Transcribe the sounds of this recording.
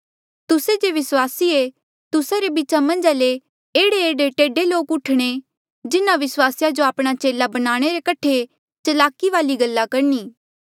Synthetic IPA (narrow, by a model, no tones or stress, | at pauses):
t̪ʊsed͡ʒeʋɪswaːsie | t̪ʊsaɾebit͡ʃamɐ̃nd͡ʒale | eːɽeeːɖeʈeːɖeloːkʊʈʰɽ̃e | d͡ʒɪnãʋɪswaːsjad͡ʒoaːpɽ̃at͡ʃeːlabɐnaːɽ̃eɾekɐʈʰe | t͡ʃɐlaːkiʋaːliɡɐlːakɐɾniː